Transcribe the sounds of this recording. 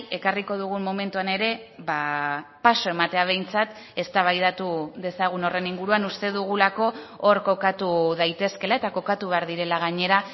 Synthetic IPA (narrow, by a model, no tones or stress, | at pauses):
e̞kariko̞ð̞uɣ̞ummo̞me̞nt̪uane̞ɾe̞βapaso̞e̞mat̪e̞aβ̞e̞jnt͡sat̪ | e̞st̪aβ̞ajðat̪uðe̞saɣ̞uno̞re̞niŋɡuɾuanust̪e̞ðuɣulako̞ | oɾko̞kat̪uðajt̪e̞ske̞lae̞t̪ako̞kat̪uβe̞aɾðiɾe̞laɣ̞aɲe̞ɾa